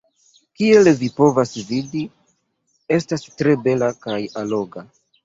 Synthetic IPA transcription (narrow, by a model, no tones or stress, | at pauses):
kie̞lvipo̞vasvidi | e̞stastɾe̞be̞lakajalo̞ɡa